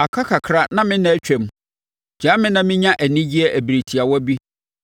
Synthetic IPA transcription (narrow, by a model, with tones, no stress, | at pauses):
a˨kʰa˦kʰa˨kʰɾa˦nã˦mɪ̃˦nã˨˦t͡ɕᶣɛ˨m˨ | d͡ʑaː˨˦mɪ̃˦nã˨mɪ̃˦ɲã˦ʔæ˨nɪ̃˦d͡ʑi˦ɛ˦ʔæ˨bi˨ɾi˨tʰi˨a˨wɔ˦bi˦